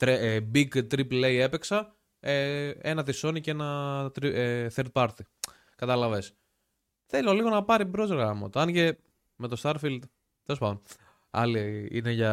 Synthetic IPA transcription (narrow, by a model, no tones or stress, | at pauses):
t̪ɾebiɡt̪ɾiple̞ie̞peksɐ | eenɐt̪iso̞nicee̞nɐt̪ɾiθeɾt̪̚pɐɾt̪i | kɐt̪ɐlɐves | θelo̞liɣo̞nɐpɐɾibɾo̞zɣɐmɐ̰t̪oɐnʝe | me̞t̪o̞st̪ɐɾfild̪ | t̪elospɐðon | ɐ̰liḭneʝɐ